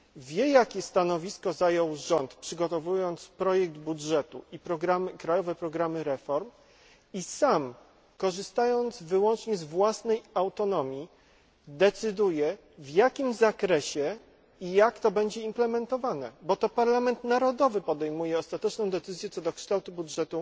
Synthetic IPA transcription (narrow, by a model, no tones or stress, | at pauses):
vʲjɛjakʲɛst̪anɔvʲiskɔzajɔwʐɔnt̪pʂɘɡɔt̪ɔvujɔnt̪spɾɔjɛɡ̚d̪budʐɛt̪ṵipɾɔɡɾamkɾajɔvɛpɾɔɡɾamɘɾɛfɔɾm | isam | kɔʐɘst̪ajɔnd̪zvɘwɔnt͡ʂɲɛzvwasnɛjawt̪ɔnɔmʲji | d̪ɛt̪sɘd̪ujɛ | vjakʲimzakɾɛɕɛ | ijakt̪ɔbɛɲd͡ʑɛimplɛmɛnt̪ɔvanɛ̰bɔt̪ɔpaɾlamɛnt̪naɾɔd̪ɔvɘpɔd̪ɛjmujɛɔst̪at̪ɛt͡ʂnɔ̃w̃d̪ɛt̪sɘzʲjɛt̪sɔd̪ɔkʂt̪awt̪ubudʐɛt̪u